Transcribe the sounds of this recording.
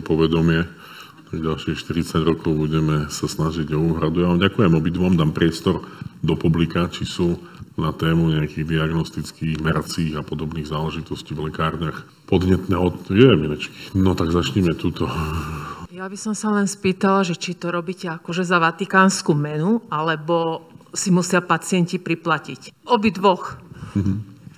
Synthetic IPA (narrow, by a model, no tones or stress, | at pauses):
pɔʋɛd̪ɔmɪɛ | t̪aɡɟalʃixʃt̪iɾit͡saɟɾɔkɔʊbuɟɛmɛsasnaʒiɟɔuːɦɾad̪ujaʋaːmɟakujɛmɔbid̪ʋɔmd̪aːmpɾɪɛst̪ɔɾd̪ɔpublikat͡ʃisunat̪ɛːmuɲɛakiɣd̪iaɡnɔst̪it͡skiːɣmɛɾat͡siːɣapɔd̪ɔbniːɣzaːlɛʒit̪ɔsciːvlɛkaːɾɲax | pɔd̪ɲɛt̪nɛːɔt̪jɛminɛt͡ʃki̥nɔt̪aɡzat͡ʃɲɛmɛt̪ut̪ɔ | jabisɔmsalɛnspiːt̪alaʒɛt͡ʃit̪ɔɾɔbiːcɛakɔʒɛzaʋat̪ikaːnskumɛnualɛbɔsimusɪapat͡sɪɛncipɾiplacicɔbid̪ʋɔxm̩ɦ̩